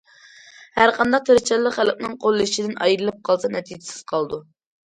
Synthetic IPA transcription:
hæɾqʰɑnd̪ɑq̚t̪ʰeɾɪt͡ʃɛlːəχælɪk̚ʲnɪŋqʰolˠːɨiʃid̪ɪnɑjiɾɨlˠɨp̚qʰɑlˠsɑnɛt̪ʰid͡ʒɪ̥sɪ̥z̥qʰɑlˠd̪u

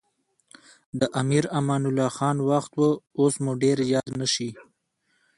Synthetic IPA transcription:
d̪əʔamiɾamɑːnʊlɑxɑːnwaxt̪wəosmuɖeɾjɑːd̪naʃi

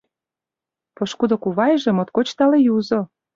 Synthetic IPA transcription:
poʃkud̪okuβɑjʒĕmot̪kot͡ɕt̪ɑlejuzo

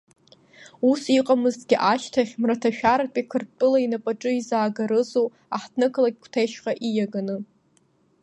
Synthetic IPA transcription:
usiqʼamɨzɡʲɪʔaʃtʰaχʲmratʰaʃᶣaɾapʼikʰɨrtʼɨlainapʼaʈ͡ʂʼɨizaːɡaɾɨzo | aħtʰnɨkʰlaɡ̚ʲkʷʰtʰejʃqʼaʔijaɡanɨ

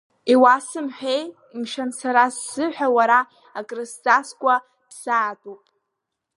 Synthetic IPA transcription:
iwasɨmħʷᶣej | imʃansaɾasːɨħʷᶣawaɾaː | kʼrist͡sʼaskʷʼa | psaːtʼopʼ

